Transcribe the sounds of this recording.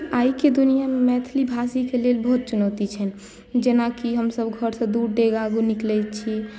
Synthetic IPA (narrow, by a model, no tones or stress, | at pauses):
aːiked̪unijamemɛt̪ʰlibʱasikeleːlbɔɦut̪̚t͡ʃʊnɔːt̪it͡ʃʰɛn | d͡ʒenakiɦəmsəbɡʱəɾsə̃d̪uːɾd̪eɡaːɡunɪklɛt͡ʃʰie